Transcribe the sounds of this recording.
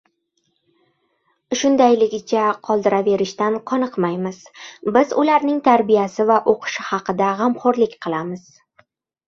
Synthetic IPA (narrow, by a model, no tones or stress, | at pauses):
ʃʊnd̪ajlɪɡʲɪt͡ʃʰaqʰɒlˠd̪ɪɾave̞ɾɪʃt̪anqʰɒnɨqmajmɪz̥bɪzʊlaɾnɪŋt̪ʰaɾbijasɪvaʔoqʰɨ̥ʃɪhɑqɨd̪aʁɑmχɒɾlɪkʲqʰɨlˠamɪz̥